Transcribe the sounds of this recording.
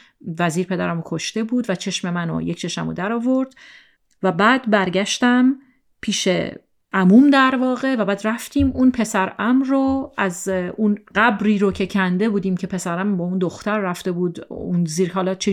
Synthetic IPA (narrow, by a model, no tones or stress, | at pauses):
væziːɾpʰe̞d̪æ̰ɾæmokʰo̞ʃt̪e̞buːd̪væt͡ʃʰe̞ʃme̞mæno̰ject͡ʃʰe̞ʃmæ̰mo̰d̪æɾɒːvo̞ɾd̪ | væbæːd̪bæɾɟæʃt̪æm | pʰiːʃḛ | ʔæmumd̪æɾvɒːɣe̞væbæːd̪ræft̪ʰiːmunpʰe̞sæɾæmɾoʔæzunɢæbɾiːɾocʰe̞cʰænd̪e̞buːd̪iːmcʰe̞pʰe̞sæɾæmbɒːund̪oxt̪æɾːæft̪e̞buːd̪unziːɾɒːlɒt͡ʃʰe